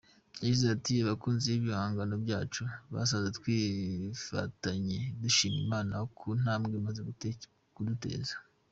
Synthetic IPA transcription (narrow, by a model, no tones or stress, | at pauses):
jaɟizatiaβakuːnzeiβjihaːŋɡano̞bjaːt͡ʃuβa̰s̬aβzetwiːfa̰taɲe̞duʃiːnḭmaːnaokʰun̥aːmɡemazeɡu | kudute̞̰ːzḁ